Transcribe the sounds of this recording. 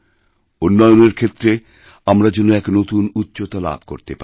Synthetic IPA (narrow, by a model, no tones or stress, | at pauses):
onːɔjoneɾkʰet̪ːɾe | amɾad͡ʑonːoɛknot̪unut̪ːɕot̪ala̰bʱko̰ɾt̪epa